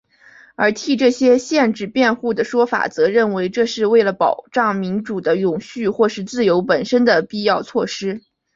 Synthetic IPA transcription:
ə˞˧˥t̪ʰi˥˩ʈ͡ʂɤ˥˩ɕjɛ˥ɕjɛ˥˧nʈ͡ʂɻ̩˥˩pjɛ˥˧nxu˥˩d̪ə˩ʂwɔ˥fa̰˨˩t͡sɤ˧˥ɻə˥˩nwe˧˥ɪʈ͡ʂɤ˥˧ʂɻ̩˥˧we˥˩ɪlə˩pɑ˨˩ʊʈ͡ʂɑ˥˩ŋmi˧˥nʈ͡ʂu˨˩d̪ə˦jʊ˨˩ŋɕy˥˧xwɔ˥˧ʂɻ̩˥˧t͡sɹ̩˥˩jo˧˥ʊpə˨˩nʂə˥nd̪ə˨pi˥˧jɑ˥˧ʊt͡sʰwɔ˥˩ʂɻ̩˥

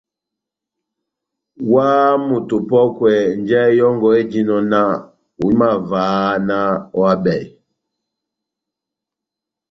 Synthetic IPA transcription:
waː˦mu˨tu˨pɔ˦kwɛ˨n˨d͡ʒɛ˦jɔ˦ŋɡɔ˨e˦d͡ʒi˦nɔ˨na˦ | u˨˦ma˦˨vaː˨˦na˦ɔ˦a˦bɛ˨i˨

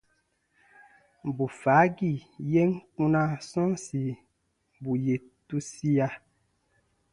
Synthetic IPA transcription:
bu˨fa˨˦ɡi˦˨je˦ŋ˦k͡pũ˦nã˦sɔ̃˦nsi˨ | bu˨je˨ | tu˦si˦a˧

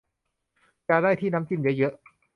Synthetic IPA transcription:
t͡ɕaː˧daː˥˩jt̪ʰiː˥˩na˦˥mt͡ɕi˧njɯ˦˥jɤ˦˥ʔ

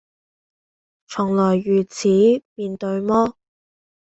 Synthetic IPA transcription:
t͡sʰʊ˨˩ŋlɔː˨˩jyː˨˩t͡sʰiː˨˥miː˧nt̪ɵ˧ɥmɔː˥

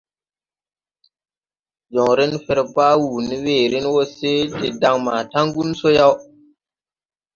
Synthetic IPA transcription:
d͡ʒo˨ŋɾi˦nfe˦ɾpaː˦wuː˨ni˦weː˨ɾi˦nwo˦se˦te˨da˨ŋma̰˨ta˦ŋɡu˦nso˦ja˦w

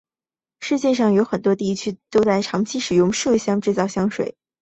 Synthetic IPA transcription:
ʂɻ̩˥˧t͡ɕjɛ˥˧ʂɑ˥˩ŋjo˧˥ʊxə˨˩nt̪wɔ˥t̪i˥˧t͡ɕʰy˥t̪o˥ʊt͡sa˥˩ɪʈ͡ʂʰɑ˧˥ŋt͡ɕʰi˥ʂɻ̩˨˩jʊ˥˧ŋʂɕjɑ˥ŋʈ͡ʂɻ̩˥˧t͡sɑ˥˩ʊɕjɑ˥ŋʂwḛ˨˩˦ɪ

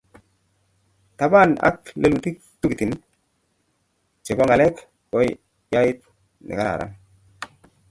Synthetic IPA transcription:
t̪a˨ba˦˨na̰˦k̚le˦lu˨t̪i˦k | tu˦ki˨t̪i˨n | t͡ʃe˨bɔ˦ŋa˨lɛ˦k | kɔ˦j | ja˦jɪ˦t̪̚ | nɪ̰˨ka˦a̰˨ɾa̰˦n

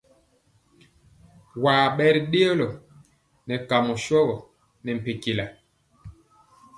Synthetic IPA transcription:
waː˨ɓɛ˦ɾi˨ɗe˦o˦lɔ˨ | nɛ˨ka˨mɔ˨ʃɔ˦ɣɔ˨ | nɛ˨m̩˨pe˨ki˨la˨

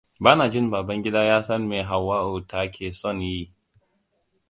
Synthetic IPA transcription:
baː˦naː˨d͡ʒɪ˦˨mbaː˨bɐ˦ŋɡʲɪ˦daː˦jaː˦sɐ˦mːeː˨ɦa˨wːaː˦ʔoː˨tʰa˨kʲʰeː˨sɔ˦˨nji˦˨

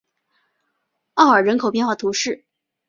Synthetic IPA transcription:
ɑ˥˩ʊə˞˨˩ɻə˧˥nkʰo˨˩ʊpjɛ˥˧nxwa˥˩t̪ʰu˧˥ʂɻ̩˥˩

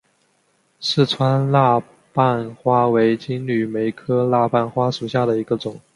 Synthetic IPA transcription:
ʂɻ̩˥˩t͡sʰwa˥nla˥˧ | pa˥˩˧nxwa˥we˧˥ɪt͡ɕi˥ŋly˨˩me˧˥ɪkʰɤ˥la˥˧pa˥˩nxwa˥ʂu˨˩ɕja˥˩d̪ə˩i˧˥ɡə˧t͡sʊ˨˩˦ŋ

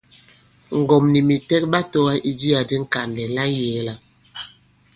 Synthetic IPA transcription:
ŋ̩˨ɡɔ˨mni˨mi˨tɛ˦k̚ba˦to˦wa˦ʔi˦di˦a˨di˦ŋ̩˦ka˨ndɛ˨la˦jɛː˨˦la˨

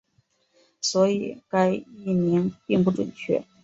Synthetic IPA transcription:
swɔ˧˥i˨˩ka˥ɪi˥˩mi˧˥npi˥˧ŋp̬u˥ʈ͡ʂwə̰˨˩nt͡ɕʰɥɛ̰˥˩

